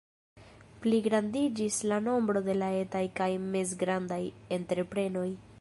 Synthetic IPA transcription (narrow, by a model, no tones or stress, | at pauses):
pliɡɾandid͡ʒislano̞mbɾo̞de̞lae̞tajkajme̞zɡɾandaje̞ntɾe̞pɾe̞no̞j